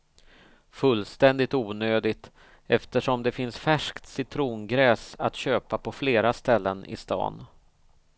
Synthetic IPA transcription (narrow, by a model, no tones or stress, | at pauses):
fɵlːst̪ɛnd̪ɪt̪uːnøːd̪ɪt̪ | ɛft̪əʂɔmd̪ɛfɪnsfæʂkt̪sɪt̪ʰɾuːnɡɾɛːsa̰t̪ɕøːpapʰɔfleːɾast̪ɛlːənɪ̰st̪ɑ̰ːn